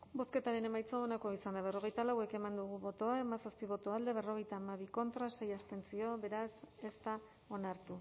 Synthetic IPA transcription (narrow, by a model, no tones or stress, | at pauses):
bo̞ske̞t̪aɾe̞ne̞majt͡soonako̞isand̪aβ̞e̞ro̞ɣe̞jt̪alawe̞ke̞mand̪uɣ̞uβo̞t̪o̞aemasaspiβ̞o̞t̪oald̪e̞β̞e̞ro̞ɣ̞e̞jt̪aːmaβiko̞nt̪ɾase̞jast̪e̞nt͡sio̞βe̞ɾase̞st̪a | o̞naɾt̪u